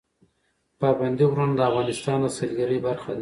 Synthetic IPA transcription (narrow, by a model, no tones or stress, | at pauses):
pɑband̪iwɾand̪əavɣɑnɪst̪ɑnd̪əsalɡaɾibaɾxan